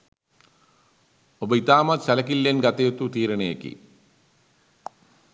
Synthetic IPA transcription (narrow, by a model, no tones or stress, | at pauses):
obɐit̪aːmɐt̪ɕɐlɐkilːenɡɐt̪ːɐjot̪ːut̪iːɾɐɳeɐkːḭ